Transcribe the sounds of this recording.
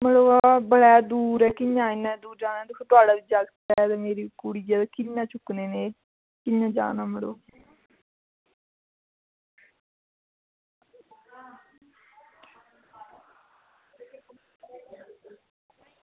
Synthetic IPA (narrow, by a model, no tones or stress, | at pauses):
məɽoːabəɽɛːd̪uːɾɛːkɪɲãːɪnːãːd̪uːɾd͡ʒaːnaːd̪ʊkʰːt̪ʊaːɽaːʋiːd͡ʒaɡt̪ɛd̪emeːɾiːkʊɽiːd͡ʒaːd̪akɪɲːãːt͡ʃʊkneːneː | kɪɲːãːd͡ʒa̰ːnaːməɽo̰ː